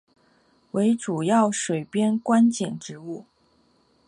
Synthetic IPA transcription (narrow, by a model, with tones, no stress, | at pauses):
we˧˥ɪʈ͡ʂu˨˩jɑ˥˩ʊʂwe˨˩ɪpjɛ˥nkwa˥nt͡ɕɛ˨˩nʈ͡ʂɻ̩˧˥u˥˩